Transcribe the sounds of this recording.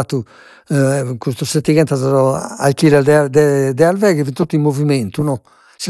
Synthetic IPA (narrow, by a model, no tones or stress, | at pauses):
at̪u | kust̪usːet̪ːiɣɛnt̪azaɔalkilɛd̪ɛd̪ɛd̪ɛalvɛɣɛvint̪ot̪ːuimːoviment̪unɔ | si